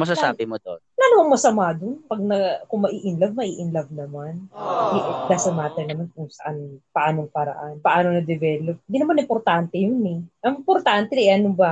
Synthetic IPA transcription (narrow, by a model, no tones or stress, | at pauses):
mɐsasaːbɪmod̪onnanʊɐŋmɐsɐmaːd̪onpɐɡ̚nɐkʊŋmɐʔiːʔɪnlɐv̚mɐʔiːʔɪnlɐb̚nɐmanʔɛʔd̪asɐmaːt̪ɐjnɐmankʊŋsɐʔanpɐʔaːno̞ŋkɐɾɐ̰ʔanpɐʔaːnonɐd̪ɛvɛːlop̚ɪnd̪iːnɐmanɪmpoɾt̪ant̪ɛjʊnɛʔɐŋɪmpoɾt̪ant̪ɛnʔɛʔɐnobɐ